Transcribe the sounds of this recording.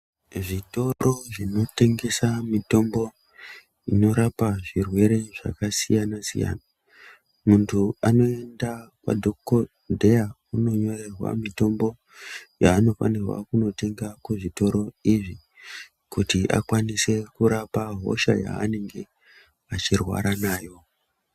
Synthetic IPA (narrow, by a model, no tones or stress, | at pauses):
ʐito̞ɾoʐino̞te̞ŋɡe̞samito̞mbo̞ | ino̞ɾapaʐirwe̞ɾe̞ʐa̰kasijanasḭja̰na | muntʰuano̞e̞ndakwa̰dʱokko | dʱe̞a | uno̞ɲo̞re̞rwa̰mito̞mbo̞ | jaːno̞fa̰nirwa̰kuno̞te̞ŋɡakweʐito̞ɾo̞iʐi | kutiʔa̰kwanise̞kuɾapaɦo̞̰ʃa̰ja̰ːne̞ŋɡe̞ | at͡ʃirwa̰ɾanaːjo̞